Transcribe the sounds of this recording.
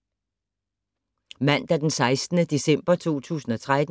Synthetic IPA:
mæn̰d̥æɐd̥ensɑ̈ɪsd̥nəd̥e̝sem̰b̥ɐt͡sʰo̝̰ːt͡sʰṵːsn̩ɒ̽t͡sʰʁad̥

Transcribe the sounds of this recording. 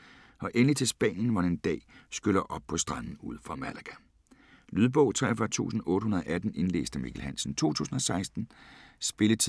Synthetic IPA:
ɒ̽ʔenlit͡sʰe̝lsb̥ɛ̰ːnjən̩ʋɑ̈deend̥ɛ̰ːsɡ̥ølɐʔɒ̽b̥̚pʰɒ̽sd̥ʁɑ̈n̰n̩uð̰ˠfʁɑ̈mælæɡ̥æ | lyðˠb̥ɔ̽ʊt͡sʰʁɛ̰fɐt͡sʰṵːsn̩ɔ̽ːɾəhunɐðˠʔæd̥n̩e̝nlḛːsd̥əmikʰelhænsn̩t͡sʰo̝̰ːt͡sʰṵːsn̩ɒ̽sɑ̈ɪsd̥n̩sb̥e̝lət͡sʰ

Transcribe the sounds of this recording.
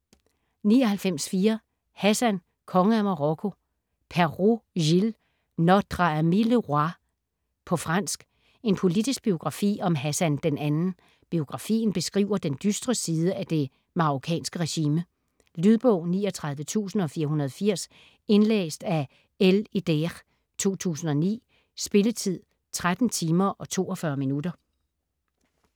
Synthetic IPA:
niːɒ̽hælfem̰sfiːɐ | hæsæn | kʰɒ̽ŋəæmɑ̈ʁɔ̽kʰo̝ | pʰæɐʁojil | nɒd̥ʁɑmiləʁɑ | pʰɒ̽fʁɑ̈n̰sɡ̥ | e̝npʰo̝lidisɡ̥̚b̥io̝ɡ̥ʁɑ̈fḭːɒ̽mɦæsænd̥enænn̩ | b̥io̝ɡ̥ʁɑ̈fḭːn̩b̥e̝sɡ̥ʁḭːʊɐd̥end̥ysd̥ʁəsiːð̞ˠəʔæd̥e̝ | mɑ̈ʁokʰɛ̰ːnsɡ̥əʁɛɕiːmə | lyðˠb̥ɔ̰̽ʊ̰nḭːɒ̽t͡sʰʁɑ̈ð̞ˠʋət͡sʰṵːsn̩ɒ̽fiːɐɦunɐð̞ˠfiɐ̰s | e̝nlḛːsd̥æ | eled̥eʁ | t͡sʰo̝̰ːt͡sʰṵːsn̩ɒ̽nḭː | sb̥e̝lət͡sʰið̰ˠ | t͡sʰʁad̥n̩t͡sʰiːmɐʔɒ̽t͡sʰo̝̰ːɒfɶːɐminudɐ

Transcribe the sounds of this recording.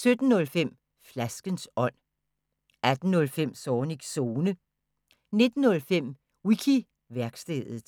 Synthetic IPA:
sød̥n̩ːɔ̽lfem̰ | flæsɡ̥ənsɒ̽n̰ | æd̥n̩ːɔ̽lfem̰sɒːniɡ̥so̝ːnə | ne̝d̥n̩ːɔ̽lfem̰ | wikʰi | ʋæɐɡ̥sd̥ḛð̰ˠð̩ˠ

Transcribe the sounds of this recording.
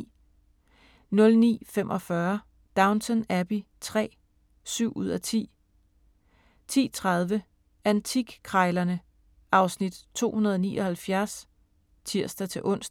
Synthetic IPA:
nɔ̽lnḭːfemʔɒ̽fɶɐ | d̥ɑ̈ʊnt͡sʰənæb̥i | t͡sʰʁɛ̰ː | syʊ̰ʔuð̰ˠæt͡sʰḭː | t͡sʰḭːt͡sʰʁɑð̞ˠʋə | ænt͡sʰiɡ̥kʰʁɑ̈ɪlɐnə | ʔɑ̈ʊsnid̥t͡sʰo̝̰ːhunɐð̞ˠɒnḭːɒ̽hælfjæɐs | t͡sʰiɐ̰sd̥ɐt͡sʰe̝ʔɔ̽n̰sd̥

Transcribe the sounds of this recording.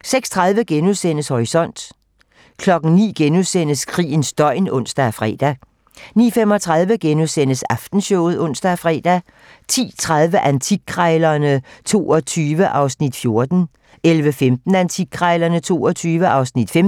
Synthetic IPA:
seɡ̥st͡sʰʁɑ̈ðˠʋəɡ̥enuðˠsen̰əshɒʁisɒ̽n̰d̥ | kʰlɒ̽ɡ̥n̩nḭːɡ̥enusen̰əskʰʁḭːn̩sd̥ɒ̽ɪ̰nɔn̰sd̥æfʁɛ̰ːd̥æ | nḭːfem̰ɒ̽t͡sʰʁɑð̞ˠʋəɡ̥enuðˠsen̰əsɑ̈fd̥n̩ɕɔʊð̩ˠɔ̽n̰sd̥æfʁɛ̰ːd̥æ | t͡sʰḭːt͡sʰʁað̞ˠʋəʔænt͡sʰiɡ̥̚kʰʁɑɪlɐnət͡sʰo̝̰ːɒ̽t͡sʰyːʋəʔɑ̈ʊsnid̥fjo̝ɐd̥n̩ | elʋəfemd̥n̩ænt͡sʰiɡ̥̚kʰʁɑɪlɐnət͡sʰo̝̰ːɒt͡sʰyːʋəʔɑ̈ʊsnid̥fem

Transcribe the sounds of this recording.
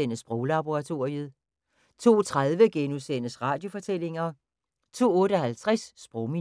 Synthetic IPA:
enəsb̥ʁɔʊlɑ̈b̥oʁɑ̈t͡sʰo̝ɐiəð̩ˠ | t͡sʰo̝̰ːt͡sʰʁaðˠʋəɡ̥enusen̰əsʁɑ̈ːd̥jo̝fɒ̽t͡sʰel̰e̝ŋɐ | t͡sʰo̝̰ːɔ̽ːɾəɒɦælt͡sʰʁasːb̥ʁɔʊmi

